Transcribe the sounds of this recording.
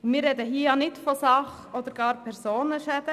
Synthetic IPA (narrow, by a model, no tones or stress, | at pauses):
ʊmɪːɾːɛd̪əhiəjɑnɪtfɔsɑχ | ɔd̪əɾɡ̥ɑːɾpʰɛɾsoːnəʃɛd̥̪ə